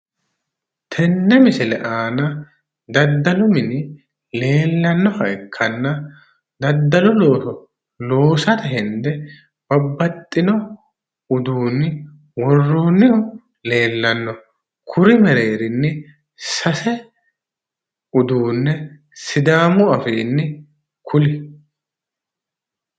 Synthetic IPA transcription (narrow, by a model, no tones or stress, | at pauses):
t̪ʰɛnːɛmɪsɪlɛʔaːnɐ | d̪ɐd̪ːɐlʊmɪnɪ | le̞ːlːɐnːɔhɐʔɪkʰːɐnːɐ | d̪ɐd̪ːɐlʊlo̞ːtɔ | lo̞ːsɐt̪ɐɦɛnd̪ɛ | b̥ɐbːɐt̪ʼːɪnɔ | ʊd̪uːnːɪ | wɔrːoːnːɪʊ | le̞ːlːɐnːɔ | kʰʊɾɪmɛɾe̞ːɾɪnːɪ | sɐsɛ | ʊd̪uːnːɛ | sɪd̪aːmʊɐfeːnːɪ | kʰʊlɪ